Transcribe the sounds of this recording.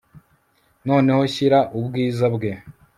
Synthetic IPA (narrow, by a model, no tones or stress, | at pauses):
no̞ːne̞ho̞ɕiɾaʔubɡiːzabɡe̞